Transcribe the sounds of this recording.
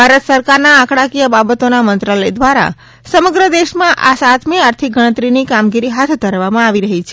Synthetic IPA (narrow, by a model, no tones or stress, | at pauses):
bʱaɾət̪səɾkaɾnaakʰɽakijəbabət̪onamənt̪ɾaləjd̪ʋaɾa̰ | səməɡɾəd̪eʃmãʔasat̪ʰmiaɾt̪ʰik̚ɡəɽ̃ət̪ɾinikamɡiɾiɦat̪ʰd̪ʱəɾʋamãaʋiɾəɦit͡ʃʰe